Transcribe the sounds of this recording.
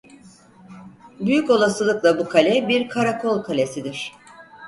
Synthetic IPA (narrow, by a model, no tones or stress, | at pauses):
byjyko̞lˠasɯlˠɯklˠabukʰalʲɛbiɾkʰaɾakʰo̞lˠkʰalʲesid̪iɾ̥